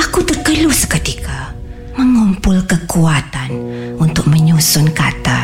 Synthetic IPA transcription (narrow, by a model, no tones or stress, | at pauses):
akut̪ərkəlusə̥kət̪ikʰa | məŋɔmpʊlkəkuat̪anunt̪ʊk̚məɲusʊnkat̪a